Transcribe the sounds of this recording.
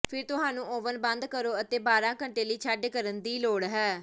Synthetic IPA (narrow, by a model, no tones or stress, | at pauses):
pʰɪɾt̪ʊɦãːnũːoːʋənbə̃nd̪kəɾoːət̪eːbaːɾãːkəɳʈeːliːt͡ʃʰaːɖkəɾənd̪iːloːɽɦɛː